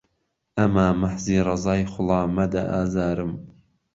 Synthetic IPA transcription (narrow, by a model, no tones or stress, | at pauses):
æmaːmaħziːɾˤɑzɑːjχʊlˠɑːmad̪aʔaːzaːɾɨm